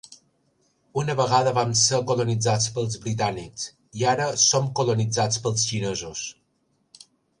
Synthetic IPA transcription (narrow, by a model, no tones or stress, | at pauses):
unəβəɣaðəβamsəkulunid͡zat͡spəlˠzβɾit̪̬aniks | iaɾəsomkulunid͡zat͡spəlˠsʃinezus